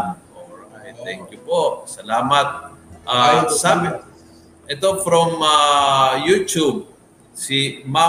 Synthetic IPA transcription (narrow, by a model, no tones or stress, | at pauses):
n | t̪ɛŋkjupoʔsɐlaːmat̪̚ʔasab | ɛt̪ofɾɔmajutub̚ | sima